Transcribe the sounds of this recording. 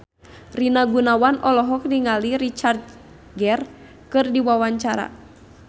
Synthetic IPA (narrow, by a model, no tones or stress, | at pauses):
rinaɡunawanɔlɔɦɔk̚diŋaliɾit͡ʃart̪̚ | ɡɛr | kɨrdiwawaɲt͡ʃaɾa̰